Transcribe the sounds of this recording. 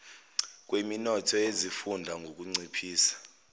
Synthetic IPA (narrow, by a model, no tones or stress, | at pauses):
k̬ʼweminɔtʰɔezifundʱaŋɡʱok̬ʼuŋ͡ǀipʰiːsḁ